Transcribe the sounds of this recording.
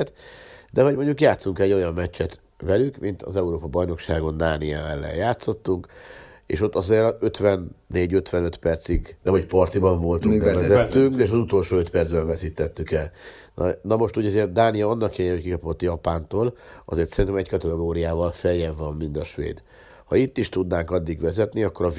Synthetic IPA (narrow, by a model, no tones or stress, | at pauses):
t̪d̪ɛɦoɟmo̞ɲɟukjaːt̪suŋkɛɟo̞jɒmːɛt͡ʃːɛt̪ | vɛlykmint̪ʰɒ̰zɛuɾoːpɒbɒjno̞kʃaːɡo̞nd̪aːnijaːɛlːɛ̰jjaːt̪so̞t̪ːuŋk | ḛːʃo̞t̪ːɒzeːɾøt̪ʋɛnːeːɟøt̪ʋɛnøt̪pɛrt̪siɡnɛmhocpɒrt̪ibɒɱvo̞lt̪uɛvɛzɛt̪ːyŋkeːʃɒzut̪o̞lʃoːøt̪pɛrd̪zbɛɱvɛsiːt̪ːɛt̪ːykɛl | nʔɒnɒmo̞ʃt̪uːɟɒzeːrt̪̚d̪aːnijɒɒnːɒkiehockikɒpo̞t̪ːjɒpaːnt̪oːlɒ̰zeːrt̪sɛɾint̪ɛmɛckɒt̪ɛɡoːɾijaːvɒlfɛjɛvːɒmːind̪ɒʃʋḛːd̪ | hɒit̪ːiʃt̪ud̪naːŋkɒd̪ːiɡʋɛzɛt̪niɒkːo̞ɾɒ